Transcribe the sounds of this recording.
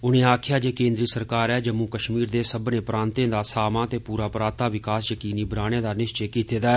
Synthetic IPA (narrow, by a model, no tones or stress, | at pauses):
ʊñẽːaːkʰjaːd͡ʒeːkẽːnd̪ɾiːsəɾkaːɾɛːd͡ʒəmũːkəʃmiːɾd̪eːsəbnẽːpɾãːnt̪ẽːd̪aːsaːmãːt̪eːpuːɾaːpɾãːt̪aːʋɪkaːsjəkiːniːbəɾaːɽ̃ẽːd̪aːnɪʃt͡ʃeːkiːt̪eːd̪aːɛ